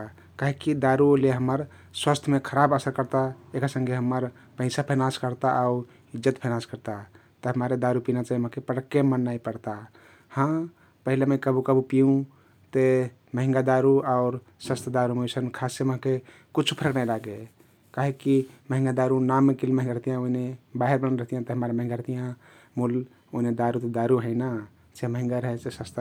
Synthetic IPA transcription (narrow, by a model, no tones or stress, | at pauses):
kaɦekid̪aɾuleɦəmːəɾ | swəst̪ʰmẽkʰəɾabəsəɾkəɾt̪aekasə̃ŋɡeɦəmːəɾ | pəɪsapʰənaskəɾt̪aʔaʊ | id͡ʒət̪pʰənaskəɾt̪a | t̪əɦəmaɾed̪aɾupinat͡ʃaɦiməɦãkepəɽəkːemənːaipəɽt̪a | hã | pəɦilemekəbukəbupijũ | t̪e | məɦĩŋɡad̪aɾuaʊɾ | səst̪ʰd̪aɾumesənkʰaseməɦãke | kut͡ʃʰu̥pʰəɾəknajlaɡe | kaɦekiməɦĩŋɡad̪aɾunamːẽkilməɦĩŋɡaɾəɦt̪ijãoinebaɦeɾbənɾəɦt̪ijãt̪əɦəmaɾeməɦĩŋɡaɾəɦt̪ijã | mul | oined̪aɾut̪ed̪aɾuɦəɪna | t͡ʃeməɦĩŋɡaɾəɦɛsesəst̪ʰ